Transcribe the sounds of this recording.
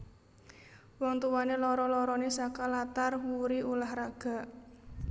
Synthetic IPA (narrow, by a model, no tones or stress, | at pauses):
wɔŋt̪uwanelɔɾɔlɔɾɔnesakalat̪arwuɾiʔulahraɡ̥a̤ʔ